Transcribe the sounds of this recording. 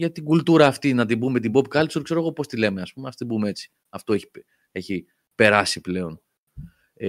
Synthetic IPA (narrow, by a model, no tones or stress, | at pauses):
ʝɐt̪iɡult̪uɾɐːft̪inɐt̪̬ibume̞t̪̬ibo̞pkɐlsuɾkse̞ɾo̞ɣo̞po̞st̪ile̞meɐspumeɐft̪ot̪bumee̞t͡si̥ | ɐft̪o̞eçi̥ | e̞çi | pe̞ɾɐsiple̞o̞n